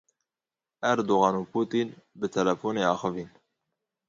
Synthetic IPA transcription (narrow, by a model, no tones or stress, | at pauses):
æɾd̪oɣɑːnupʰuːt̪iːnbɨt̪ʰɛlɛfoːneːɑːxɨviːn